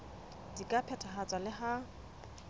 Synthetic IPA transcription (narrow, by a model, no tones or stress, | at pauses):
dikʼapʰɛtʰaɦat͡sʼalɪha